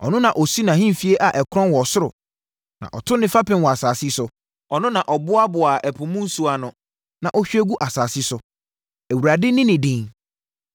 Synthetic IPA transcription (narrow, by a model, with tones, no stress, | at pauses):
ɔ̰˨nʊ̃˦nã˨ʔɔ˨si˦nã˨ɦĩ˦˨fi˨e˦ʔa˨ʔɛ˨kʰɾɔ̃˦nwɔ˨sʊ˦ɾʊ̰˨ | nã̰˨ʔɔ˨tʰʊ˦nɪ̃˦fa˦pɪ̃˦n˦wɔ˨a˨saː˨sɪ˦sʊ˨ | ɔ˨nʊ̃˦nã˨ʔɔ˨bʊ˦a˦bʊ˨a˨ʔɛ˨pʰʊ̃˨mũ˦n̩˦su˦a˨nʊ̃˨ | nã˨ʔɔ˦ɕᶣe˦ɡu˦ʔa˨saː˨sɪ˦sʊ˨˦ | æ˨wu˨ɾa˨dɪ˦nɪ̃˦nɪ̃˨dɪ̃˨ŋ